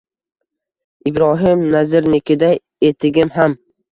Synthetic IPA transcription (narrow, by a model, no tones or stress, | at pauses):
ɪbɾɒɦɪmnazɪɾnɪkʲʰɪd̪a | e̞t̪ʰɪɡʲɪmɦam